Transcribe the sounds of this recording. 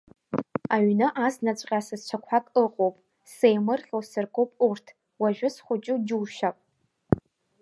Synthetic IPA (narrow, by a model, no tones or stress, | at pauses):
aɥnɨʔaznat͡ɕʷʼqʲʼasɨzt͡ɕʷʰakʷʰakʼɨqʼowpʼ | sejmɨrχʲowsɨrkʼowpʼurtʰ | waʒᶣʷʊsχʷʊt͡ʃʼʊd͡ʒuwʃapʼ